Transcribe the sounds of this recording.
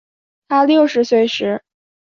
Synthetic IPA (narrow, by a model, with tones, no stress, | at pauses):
t̪ʰa˥ljo˥˩ʊʂɻ̩˧˥swe˥˩ɪʂɻ̩˧˥